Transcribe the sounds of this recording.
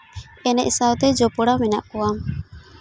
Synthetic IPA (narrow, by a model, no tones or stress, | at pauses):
ɛnɛʔsawt̪ɛd͡ʒɔpɔɽamɛna̰ʔkɔwam